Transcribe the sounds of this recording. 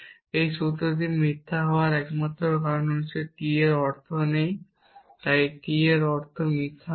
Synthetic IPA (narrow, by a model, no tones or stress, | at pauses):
ejʃut̪ɾot̪̬imɾit̪ʰːaɦɔoaɾɛkmat̪ːɾokaɾonot͡ɕʰekieɾɔɾt̪ʰonej | t̪ajkieɾɔɾt̪ʰomit̪ʰːa